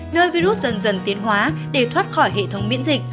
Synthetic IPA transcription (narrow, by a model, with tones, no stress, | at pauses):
nəː˧jvi˧ɾu˦˥t̚zə˨˩nzə˨˩nt̪i˨˦ənɦwaː˨˦ɗe˧˩t̪ʰwaː˦˥t̚xɔ˧˩jɦḛ˧˨t̪ʰə˨˦wŋ͡mmḭ˧˥nzï˨˩k̟̚